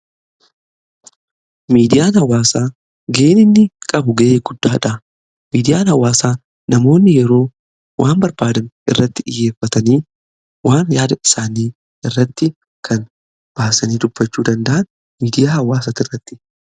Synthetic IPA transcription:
miːd̪ɪjaːnhɐwaːsaː | ɡeːnɪnːɪkʼɐbʊɡɐʔeːɡʊd̪ːaːᶑɐ | miːd̪ɪjaːnhɐwaːsaː | nɐmo̞ːnːɪjɛɾo̞ː | wʔaːmbɐɾbaːd̪ɐnʔɪ̰rːɐt̪ːɪᶑɪ̰jːeːfːɐt̪ɐniː | waːnjaːd̪ɐɪ̥saːniː | ɪrːɐt̪ːɪ | kʰɐn | b̥aːsɐniːᶑ̪ʊbːɐt͡ʃːuːd̪ɐnd̪ɐʔɐn | miːd̪ɪjaːhɐwaːsaːt̪ɪrːɐt̪ːɪ̥

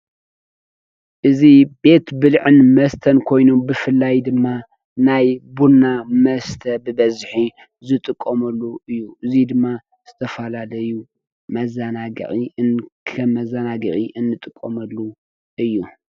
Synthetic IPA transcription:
ʔɨzibe̞t̪bɨlʕɨnmɐst̪ʰɐnkʰo̞jnubɨfɨlːajd̪ɨmːa | najbunːamɐst̪ʰɐbɨbɐzħi | zɨt̪ʼɨkʼːɐmɐlːuɨjːuʔɨzid̪ɨmːa | z̥ɨt̪ʰɐfɐlalɐju | mɐzanaɡɐ̰ʔʼinkʰɐmːɐzanaɡɨ̰ʔʼiʔɨnːɨt̪ʼɨkʼːɐmɐlːu | ʔɨjːu

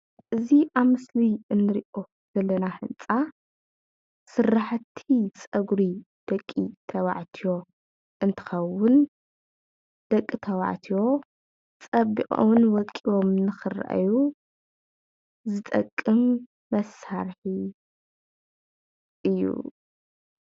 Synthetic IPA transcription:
ʔɨziʔaβmɨsliɨnːɨɾiʔo̞ | z̥ɐlːɐnaħɨnt͡sʼa | sɨɾːaħt̪ʰit͡sʼɐɡɾi | d̪̥ɐkʼːit̪ʰɐwa̰ʕt̪ʰijo̞ | ʔɨnt̪ʰɨ̥xɐwʊn | d̪̥ɐkʼːit̪ʰɐwa̰ʕt̪ʰijo̞ | t͡sʼɐbḭʔʼo̰wnwɔkʼiwo̞mnɨxɨra̰ʔa̰ju | zɨt̪ʼɐkʼːɨmː | ɐsaɾħi | ʔɨjːṵ

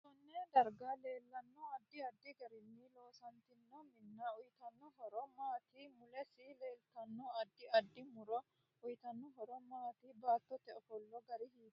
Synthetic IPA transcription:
sɔnːɛd̪ɐɾɡale̞ːlːɐnːɔɐd̪ːɪɐd̪ːɪɡɐɾɪnːɪlo̞ːsɐnt̪ɪnːɔmɪnːɐʊjɪt̪ɐnːɔɦɔɾɔmaːt̪ɪmʊlɛsɪleːlt̪ɐnːɔɐd̪ːɪɐd̪ːɪmʊɾɔ | ʊjɪt̪ɐnːɔɦɔɾɔmaːt̪ɪbaːt̪ːɔt̪ːɛɔfɔlːɔɡɐɾɪhiːd̪

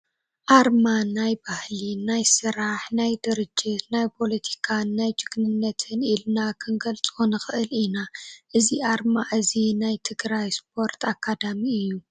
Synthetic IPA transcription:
ʔaɾmanajbahlinajsɨɾaħnajd̪ɨɾɨd͡ʒːit̪najpʰo̞lɐt̪ʰi̥kʰannːajd͡ʒɨɡnɨnːɐt̪ʰɨnilnakʰɨnɡɐlt͡sʼonɨxɨʔɨlinaʔɨziʔaɾmaʔɨzinajt̪ʰɨɡɾajsp̚ʰo̞ɾt̪ʰakʰːad̪amiɨjːu

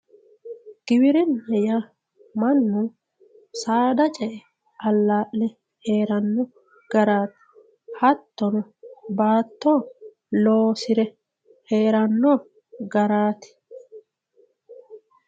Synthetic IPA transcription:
ɡ̥ɪbɪɾɛnːɐja | mɐnːʊ | saːd̪ɐt͡ʃʼɛʔɛ | ʔɐlːaːʔlɛ | he̞ːɾɐnːɔ | ɡ̥ɐɾaːt̪ɪ̥ | hɐt̪ːɔnɔbaːt̪ːoː | loːsɪɾɛ | he̞ːɾɐnːɔː | ɡɐɾaːt̪ɪ̥

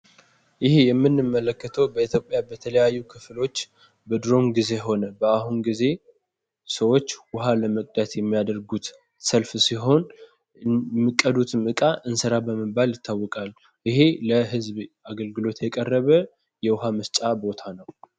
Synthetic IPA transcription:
jɪhejɛmːɨnːɨmːələkːət̪ʰəwbəit̪ʰjo̞pʼjabət̪ʰələjajːukʰɨflo̞t͡ʃː | bəd̪ɾo̞mɡize̞ɦo̞nəbəaɦunɡize̞ | səwo̞t͡ʃːwʊɦaləməkʼd̪ət̪jɛmːijad̪əɾɡut̪ | səlfsiɦo̞n | mːɨkʼːəd̪ut̪ʰɨmɨkʼaʔɨnsəɾabəməbaljɪt̪ːawːɔkʼal | ʔɪheləɦɨzb | aɡəlɡɨlo̞t̪jɛkʼərːəβə | jɛwʊɦaməst͡ʃʼabo̞t̪ʰanəw

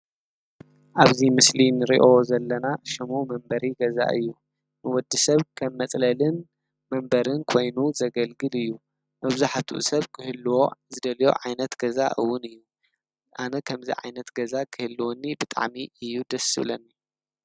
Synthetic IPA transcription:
ʔaβzimɨslinɨɾḭʔo̞zɐlːɐnaʃɐmomɐmbɐɾiɡɐza̰ʔɨ̰jːu | nɨwɔd̪ːisɐβkʰɐmːɐt͡sʼlɐlɨn | mɐmbɐɾɨnkʰo̞jnuzɐɡɐlɡɨlɨjːu | mɐβzaħat̪ʰṵʔsɐβkʰɨhɨlːwo̞zɨd̪ɐljo̞̰ʕajnɐt̪ɡ̥ɐza̰ʔɨwːʊnɨjːu | ʔanɐkʰɐmzḭʕa̰jnɐt̪ɡɐzakʰɨhɨlːɨwonːibɨt̪ʼa̰ʕmiɨjːud̪ɐsɨ̰βlɐnːi

